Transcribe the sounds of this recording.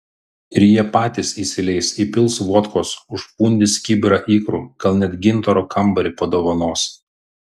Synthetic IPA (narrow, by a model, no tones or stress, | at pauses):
ɪɾʲjiɛpɑːt̪ʲisiːsʲɪlʲɛɪsiːpʲɪlˠsʋuɔt̪koːsʊʃpuːnʲd̪ʲɪsʲkʲiːbʲɪɾɑʔiːkɾṵːɡɐlˠnʲɛt̪ɡʲɪnˑt̪ɔɾoːkʰɐmbɐɾʲɪpɐd̪oːʋɐnoːs